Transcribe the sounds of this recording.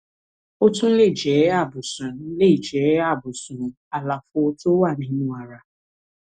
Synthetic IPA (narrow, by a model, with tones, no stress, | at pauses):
o˦tʊ˦n̩˦le˦˨d͡ʒe˨˦a˦˨bʊ˨sʊ˨˦le˦˨d͡ʒe˨˦a˦˨bʊ˨sʊ˨nʊ˨ | a˨la˨fʊ˨o˦tʊ˦wa˦˨ni˨ɲu˦wa˨ɾa˨